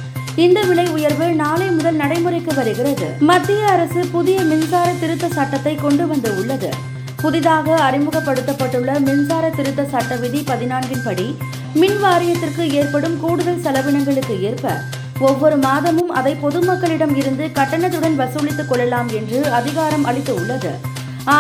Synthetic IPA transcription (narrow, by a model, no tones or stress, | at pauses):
ɪnd̪ɐʋɪɭɐɪʊjɐɾʋɯnaːlɐɪmʊðɐlnɐɽɐɪmɯrɐɪkːɯʋɐɾɯɣɪrɐðɯ̰mɐd̪ːɪjɐːɾɐsɯpʊðɪjɐmɪnsaːɾɐt̪ːɪɾɯt̪ːɐsɐʈːɐt̪ːɐɪkɔɳɖɯʋɐnd̪ɯʊɭːɐðɯ | pʊðɪðaːɣɐːɾɪmɯɣɐpːɐɽɯt̪ːɐpːɐʈːɯɭːɐmɪnsaːɾɐt̪ːɪɾɯt̪ːɐsɐʈːɐʋɪðipɐðɪnaːnɡɪnpɐɽi | mɪnʋaːɾɪjɐt̪ːɪrkɯeːrpɐɽɯmkuːɽɯðɐlsɐlɐʋɪɳɐŋɡɐɭɯkːɯeːrpɐ̰ | ɔʋːɔɾɯmaːðɐmɯmɐðɐɪpɔðɯmɐkːɐɭɪɽɐmɪɾɯnd̪ɯkɐʈːɐɳɐt̪ːɯɽɐnʋɐsɭɪt̪ːɯkːɔɭːɐlaːmɛndrɯɐðɪɣaːɾɐmɐɭɪt̪ːɯʊɭːɐðɯ̰